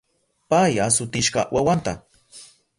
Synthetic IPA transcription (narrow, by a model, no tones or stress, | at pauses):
pajasʊt̪ɪʃɢɑ̰wʔawant̪a̰